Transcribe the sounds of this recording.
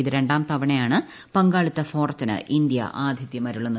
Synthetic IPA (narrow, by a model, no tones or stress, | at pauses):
iðɨɾe̞ɳɖaːmt̪ɐʋɐɳejaːɳɨ | pɐŋɡaːɭit̪ːɐfoːrɐt̪ːinɨ̰ʔind̪jɐ̰ʔaːd̪ʱjiðjɐmɐɾuɭːɐnː